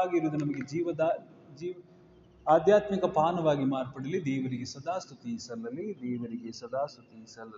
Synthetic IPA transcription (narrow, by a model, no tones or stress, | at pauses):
ɡiɾuːd̪unɐmɐɡed͡ʒiːʋɐd̪aː | d͡ʒiː | aːd̪jaːt̪mikɐpaːnɐʋaːɡimaːɾpɐɽɐlid̪ɛːʋɐɾiɡesɐd̪aːst̪ut̪isɐlːɐlːid̪ɛːʋɐɾiɡesɐd̪aːst̪ut̪isɐlːɐ